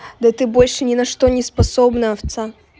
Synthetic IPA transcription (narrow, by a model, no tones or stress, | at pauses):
d̪ɐt̪ɨbo̞lʲʂɨnʲɪnɐʂt̪onʲɪspɐsobnəɐft̪sa